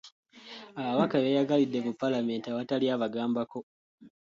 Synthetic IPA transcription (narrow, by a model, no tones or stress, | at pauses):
aβaβakaβeːjaɡalidːe̞mupːalame̞ːntiaβataliaβaɡaːmbako̞